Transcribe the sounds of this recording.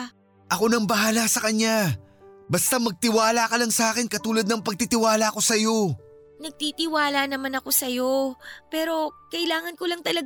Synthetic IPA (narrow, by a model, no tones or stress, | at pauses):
ʔɐko̞nɐŋbɐɦaːlɐsɐkɐɲja | bɐst̪amɐɡ̚t̪ɪwaːlɐkɐlɐŋsɐaːkɪnkɐt̪uːlɐd̪nɐŋpɐɡ̚t̪it̪ɪwaːlɐko̞sɐjo̞ | nɐɡ̚t̪it̪ɪwaːlɐnɐmanɐko̞sɐjo̞pɛːɾo̞kɐʔɪlaːŋɐnkolɐŋt̪ɐlɐɡ